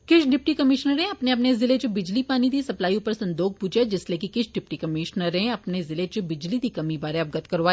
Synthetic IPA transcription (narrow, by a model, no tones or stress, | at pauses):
kɪʃɖɪp̚ʈikɐmɪʃnəɾɦẽɐpneɐpnezɪlet͡ʃebɪd͡ʒlipaːnid̪isɐplaːiʊpəɾsɐ̃nd̪oːk̚puːt͡ʃad͡ʒɪslekikɪʃɖɪpʈikɐmɪʃnəɾɦẽɐpnezɪlet͡ʃobɪd͡ʒlid̪ikɐmibaːɾẽɐp̚ɡɐt̪kɐɾʋaː